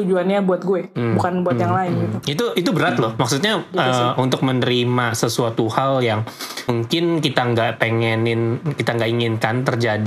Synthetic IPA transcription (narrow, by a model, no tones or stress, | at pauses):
t̪ud͡ʒuanɲabuat̪̚ɡuɛbukanbuat̪jaŋlaɪnɡit̪uit̪uʔit̪ubəɾat̪lʊhmaksut̪̬̚ɲaəunt̪ʊk̚mənəɾimasəsuat̪uhaljaŋmuŋkɪnkit̪aŋɡaʔpeŋɛnɪnkit̪aŋɡaʔiŋɪnkant̪ərd͡ʒadi